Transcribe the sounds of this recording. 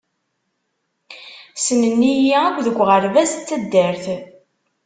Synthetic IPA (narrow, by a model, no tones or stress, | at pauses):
sənənːijæækʷðəɡʷːʁəɾvæst͡sːæd̪ːəɾθ